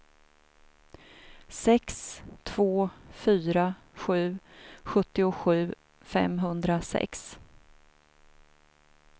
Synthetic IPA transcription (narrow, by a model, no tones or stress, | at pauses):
sɛkst̪ʰv̥oːfyːɾa | ɧʉ̟ːɧɵt̪ːɪʊɧʉ̟ː | fɛ̰mɦɵnd̪ɾasɛ̰ks